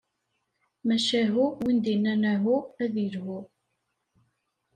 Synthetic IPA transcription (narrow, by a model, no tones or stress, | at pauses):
mæʃæɦuwind̪inːænæɦuæðiɾɦu